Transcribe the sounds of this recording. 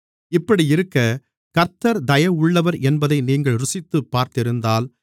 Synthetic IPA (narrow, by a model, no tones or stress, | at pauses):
ɪpːɐɽijɪɾɯkːɐ | kɐɾt̪ɐɾd̪ɐjɐʊɭːɐʋɐɾʔɛnbɐðɐɪniːŋɡɐɭɾʊsɪt̪ːɯpːaːɾt̪ɪɾɯnd̪aːl